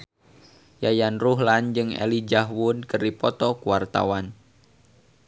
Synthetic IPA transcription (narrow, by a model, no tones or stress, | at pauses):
jajanruɦland͡ʒɨŋɛ̰lid͡ʒaɦwunkərdipɔt̪ɔkuwart̪a̰wan